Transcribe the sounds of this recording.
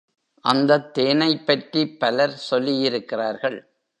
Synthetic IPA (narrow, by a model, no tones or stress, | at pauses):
ʔɐnd̪ɐt̪ːeːnɐɪpːɐʈripːɐlɐɾsɔlːijɪɾɯkːɪraːɾɣɐɭ